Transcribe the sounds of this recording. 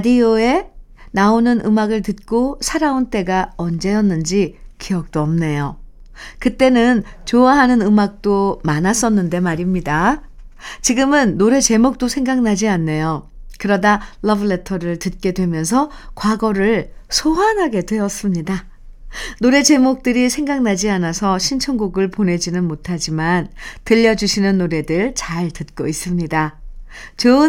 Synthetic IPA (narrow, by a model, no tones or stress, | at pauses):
dioe̞ | naonɯnʔɯmaɡɯɭtɯt̚k͈osʰaɾaont͈e̞ɡaʌnd͡ʑe̞jʌnːɯnd͡ʑikiʌk̚t͈oʌmne̞jo | kɯt͈e̞nɯnt͡ɕoaɦanɯnɯmak̚t͈omanas͈ʌnːɯnde̞maɾimɲida | t͡ɕiɡɯmɯnːoɾe̞t͡ɕe̞mok̚t͈osʰe̞ŋɡaŋnad͡ʑianːe̞jokɯɾʌdalʌbɯɭe̞tʰʌɾɯɭtɯt̚k͈e̞dwe̞mjʌns̬ʰʌkwaɡʌɾɯɭsʰoɦanɦaɡe̞dwe̞ʌs͈ɯmɲida | noɾe̞t͡ɕe̞mok̚t͈ɯɾisʰe̞ŋɡaŋnad͡ʑianasʰʌɕʰint͡ɕʰʌŋɡuɡɯɭpone̞d͡ʑinɯnmotʰad͡ʑimantɯʎːʌd͡ʑuɕʰinɯnːoɾe̞dɯɭt͡ɕaɭtɯt̚k͈ois͈ɯmɲida | t͡ɕɯ